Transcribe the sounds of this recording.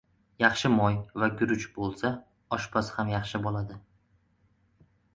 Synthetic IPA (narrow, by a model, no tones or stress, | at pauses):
jɑχʃɪmɒjvaɡʲʊɾʊt͡ʃbolˠsa | ɒʃpʰashamjɑχʃɪbɒlˠad̪ɪ